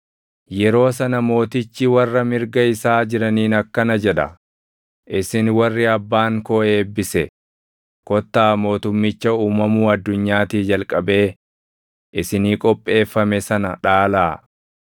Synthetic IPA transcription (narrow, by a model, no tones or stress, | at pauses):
jɛɾo̞ːs̬ɐnɐmo̞ːt̪ɪt͡ʃːɪwɐrːɐmɪɾɡɐɪsaːd͡ʒɪɾɐniːnɐkːɐnɐd͡ʒɛᶑɐ̰ | ʔɪsɪnwɐrːɪɐbːaːŋkɔːeːbːɪsɛ | kɔt̪ːaːmo̞ːt̪ʊmːɪt͡ʃːɐuːmɐmuːɐd̪ːʊɲːaːt̪iːd͡ʒɐlkʼːɐbe̞ː | ʔɪsɪniːkʼɔpʼːe̞ːfːɐmɛsɐnɐᶑaːlaː